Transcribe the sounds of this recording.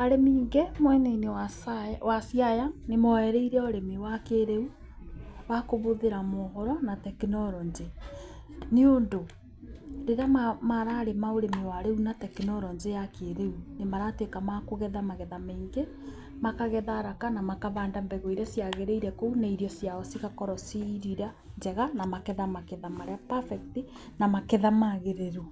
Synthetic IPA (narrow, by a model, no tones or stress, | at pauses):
aɾemiːŋɡɛmwɛneineaswasjajanemɔɛɾɛiɾɛoɾemiwakeɾeu | wakoβoðeɾamɔɦɔɾɔnatɛkinɔɾɔɲd͡ʒe | neondo | ɾeɾamamaɾaːɾemaoɾemiwaɾeunatɛkinɔɾɔɲd͡ʒejakeːɾeunemaɾatwekamakoɣɛðamaɣɛðameiŋɡe | makaɣɛðaɾakanamakaβaːndambɛɣɔiɾɛsjaɣeɾeiɾɛkounaiɾjɔsjaɔsiɣakɔɾɔsiɾiɾa | ɲd͡ʒɛɣanamakeðamakeðamaɾeapafɛkti | namakeðamaɣeɾeɾu